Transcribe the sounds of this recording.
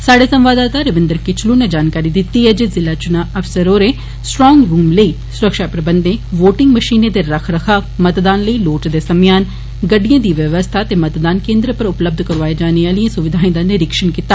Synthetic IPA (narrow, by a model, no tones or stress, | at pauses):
saːɽeːsəmʋaːd̪aːt̪aːɾəʋɪ̃nd̪əɾkɪt͡ʃʰluːneːd͡ʒaːnkaːɾiːd̪ɪt̪ːiːɦɛːd͡ʒezɪlaːt͡ʃʊnaːəfsəɾoːɾeː | sʈɾɔːŋɡɾuːmləiː | sʊɾəkʃaːpɾəbənd̪ẽːʋoːʈɪŋɡməʃiːneːd̪eːɾəkʰɾəkʰaːmət̪d̪aːnləiːloːʈd̪eːsəmjaːn | ɡəɖːijãːd̪iːʋəʋəst̪ʰaːt̪eːmət̪d̪aːnkẽːnd̪ɾəpəɾʊpləb̚d̪ʱkəɾʋaːed͡ʒaːneaːliãːsʊʋɪd̪ʱaːẽd̪anɪɾɪkʃənkiːt̪aː